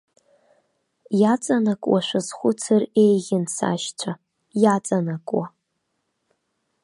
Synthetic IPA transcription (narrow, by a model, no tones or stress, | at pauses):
jat͡sʼanakʼwaʃʷazχʷʊt͡sʰɨrejɣʲɪnsa̰ʃt͡ɕʷʰa | jat͡sʼanakʼwa